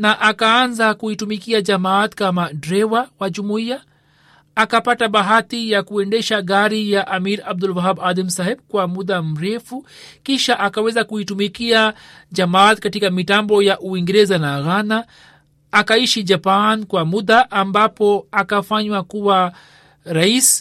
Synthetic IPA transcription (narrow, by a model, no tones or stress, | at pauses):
naʔakaanzakuitumikiad͡ʒamat̪kamadɾɛwawad͡ʒumuiaː | kapataɓaɦatijakuɛndɛʃaɡaɾijaʔamiɾab̚dulwaɦabadam̩sahɛbkwamuɗam̩ɾɛfukiʃaʔakawɛzakuitumikia | d͡ʒamaːt̪katikamitambɔjaʔuwiŋɡɛɾɛzanaɣanaː | kaiʃid͡ʒapankwamuɗaʔambapɔakafaɲwakuwa | ɾais